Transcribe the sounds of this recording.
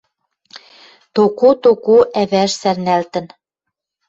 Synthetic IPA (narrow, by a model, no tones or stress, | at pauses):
t̪okot̪okoʔæβæʃsærnælt̪ə̆n